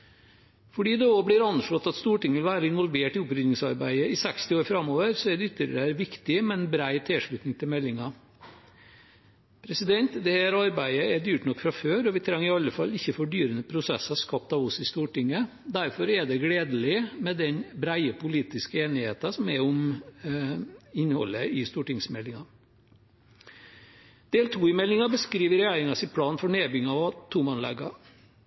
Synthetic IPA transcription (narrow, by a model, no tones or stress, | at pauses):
fɔɖiːd̪ɛoːblɪɾɑnʂɭɔt̪ːɑt̪st̪uːʈɪŋːəʋɪlʋæːɾəɪnʋɔlʋeːʈɪʊpɾʏnɪŋsɑɾbæ̰ɪəɪsɛkst̪ɪoːɾfɾɑmːoːʋəɾsɔɛɖ̪ɛʏt̪ːəɾəɾæɾʋɪkt̪ɪmɛɛnbɾæɪt̪ʰɪlʂɭʉːt̪nɪŋt̪ʰɪlmɛlːɪŋɑ | pʰɾɛsɪd̪ɛnt̪d̪ɛhæːɾɑɾbæɪəɛɖ̪yːʈnɔkːfɾɑføːɾɔʋɪt̪ʰɾɛŋːɪɑlːəfɑlːɪçːəfɔɖyːɾənəpʰɾʊsɛsɑskɑp̚t̪ɑʋʊsɪst̪uːʈɪŋːə | d̪æɾfɔɾɛɖɛɡɽeːd̪əlɪmɛd̪ɛnbɾæɪəpʊliːt̪ɪskəeːnɪheːt̪ɑsɔmɛʊm | ɪnhɔ̰lːəɪst̪uːʈɪŋsmɛlːɪŋɑ | d̪̥eːlt̪ʰuːɪmɛlːɪŋɑbəskɾiːʋəɾɛjæɪɾɪŋɑsɪt̪̚pʰlɑːnfɔɳeːbʏŋɑɑt̪ʰʊmɑnlɛ̰ɡɑ